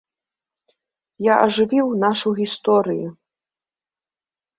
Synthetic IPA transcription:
jaʔɐʐɨvʲiwnaʂuɣʲist̪ɔɾɨju

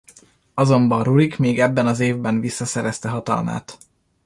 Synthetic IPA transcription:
ɒzo̞mbɒruɾikmeːɡɛbːɛnɒzeːvbɛnvisːɒsɛɾɛst̪ɛɦɒt̪ɒ̰lma̰ːt̪

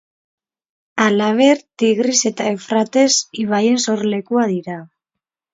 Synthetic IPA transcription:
alaβ̞e̞ɾt̪iɣɾise̞t̪aefɾat̪e̞siβaje̞nso̞ɾle̞kuaðiɾa

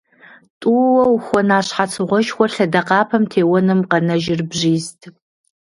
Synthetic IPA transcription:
tʼuːwɐwxʷɔnaːɕħat͡sʰɨʁʷɔʃxʷɔɬɐdɐqɑːpʰɐmtʰeːwɔnɨmqɐnɐʒɪrbʑiːstʰ

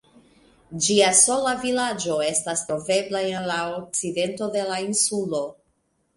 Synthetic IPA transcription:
d͡ʒiaso̞lavilad͡ʒo̞e̞stastɾo̞ve̞blae̞nlaok̚t͡side̞nto̞de̞lainsulo̞

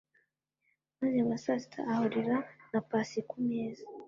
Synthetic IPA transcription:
maziamasasi̥tʰa̰ahoɾiɾanapasikumeːza

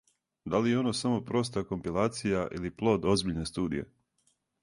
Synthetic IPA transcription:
d̪alijeo̞nosamo̞pɾo̞st̪ako̞mpilˠaːt̪sijaʔḭliplˠo̞ːd̪o̞zbiʎne̞st̪uːd̪ḭje̞̰

